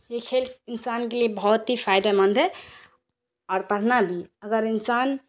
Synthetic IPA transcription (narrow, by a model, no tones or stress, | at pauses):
jekʰelɪnsankeliebʱɔːt̪ɦipʰajd̪amənd̪ʱɛ | ɔːɾpəɽ̤nabʱiəɡəɾinsan